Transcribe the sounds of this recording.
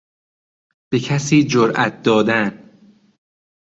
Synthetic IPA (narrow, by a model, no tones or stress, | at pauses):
b̥e̞cʰæsiːd͡ʒoɾʔæ̰t̪̚ʰd̪ɒːd̪æn